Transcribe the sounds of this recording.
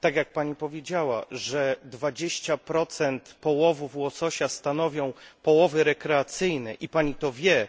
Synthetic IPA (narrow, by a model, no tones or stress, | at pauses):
t̪aɡʲjak̚paɲipɔvʲjed͡ʑawa̰ʐɛd̪vad͡ʑeɕt͡ɕapɾɔt̪sɛnt̪pɔwɔvuvwɔsɔɕast̪anɔvʲjɔ̃w̃pɔwɔvɘɾɛkɾɛat̪sɘjnɛʔipaɲit̪ɔvʲjɛ